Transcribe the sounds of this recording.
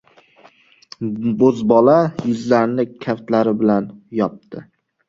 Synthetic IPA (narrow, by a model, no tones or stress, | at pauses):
bozbɒlajɪzlaɾnɪkʲʰaft̪laɾɪbɪlanjɒp̚t̪ʰɪ